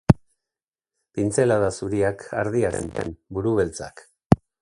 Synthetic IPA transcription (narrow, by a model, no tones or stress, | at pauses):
pint͡se̞laðasuɾiakʰa̰ɾð̞iaɾḛnḛmbuɾuβe̞lt͡sa̰k